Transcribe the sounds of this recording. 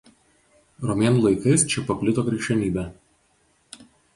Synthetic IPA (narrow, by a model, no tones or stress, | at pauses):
ɾɔmʲeːnulˠɐɪkɐɪst͡ʃʲɛpɐpʲlʲɪt̪oːkɾʲɛʃʲɛmʲiːbʲɛ